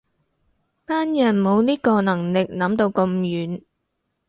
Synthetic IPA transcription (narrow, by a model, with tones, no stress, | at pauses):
paː˥njɐ˨˩nmo˨˧wniː˥kɔː˧nɐ˨˩ŋlɪ˨k̚nɐ˨˥mt̪o˧wkɐ˧mjyː˨˥n